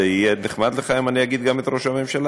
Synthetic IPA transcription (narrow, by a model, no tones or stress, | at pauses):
eijeneχmad̪leχaimanijaɡid̪ɡamet̪ɾoʃamimʃel